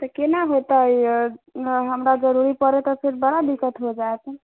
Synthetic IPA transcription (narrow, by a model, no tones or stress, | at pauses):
t̪əkenaɦot̪əj | ɦəmɾad͡ʒəɾuɾipəɾet̪əpʰiɾbəɽabikət̪ɦod͡ʒaet͡ʃʰɛ